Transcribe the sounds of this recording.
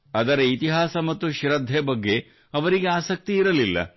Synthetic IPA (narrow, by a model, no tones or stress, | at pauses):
ɐd̪ɐɾɐit̪iɦaːsɐmɐt̪ːuʃɾɐd̪ʱːebɐɡːe̞ | ɐʋɐɾiɡe̞aːsɐk̚t̪iːɾɐlilːɐ̰